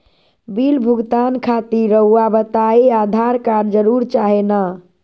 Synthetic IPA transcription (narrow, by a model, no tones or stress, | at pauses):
bilbʱuɡt̪ankʰat̪iɾəɦuabət̪aead̪ʱaɾkaɾd͡ʒəɾuɾt͡ʃaɦena